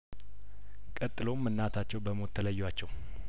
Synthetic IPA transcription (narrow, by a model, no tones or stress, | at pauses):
kʼət̪ʼːɨlomːɨnːat̪ʰat͡ʃːɛwbəmot̪ʰːələjːwat͡ʃːɛw